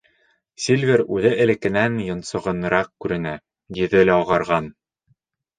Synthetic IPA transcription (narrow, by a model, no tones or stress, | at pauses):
sʲilʲvʲeɾʉðɘʔɘ̆lɘ̆kɘ̆nænjŏnsŏʁɤ̆nɤ̆ɾɑq̚kʉɾɘ̆næ | j̪iðɘlæoʁɑ̆ɾʁɑn